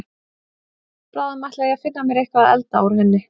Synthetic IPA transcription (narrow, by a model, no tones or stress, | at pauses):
pɾaːðmaht̪laafɪnːamjɛɾejhkvaðɛ̰lt̪aawɾ̥hɪnːɪ